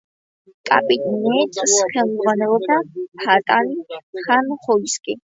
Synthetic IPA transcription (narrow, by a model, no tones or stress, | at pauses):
kʼa̰pʼit̪ʼnɛt̪ʰʼsχɛlˠzʁwanɛlˠɔbd̪apʰat̪ʼaniχanχɔiskʼi